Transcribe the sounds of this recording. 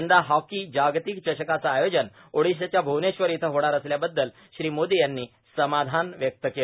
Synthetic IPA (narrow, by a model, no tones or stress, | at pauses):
nd̪aɦɔkid͡ʑaɡt̪ikt͡ɕəɕəkat͡saːjod͡ʑən | oɽiɕ̬at͡ɕjabʱowneɕʋəɾit̪ʰəɦoɽaɾəsljabəd̪ːəl | ɕɾiːmod̪ijanːiː | səmad̪ʱanʋjək̚t̪əke